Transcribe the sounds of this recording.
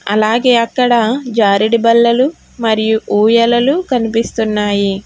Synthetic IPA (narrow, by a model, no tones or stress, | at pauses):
ɐ̰laːɡe̞ːɐkːɐɽɐd͡ʒaːɾiɽibɐlːɐlu | mɐɾijuʔuːjɐlɐlukɐnipist̪unːaːji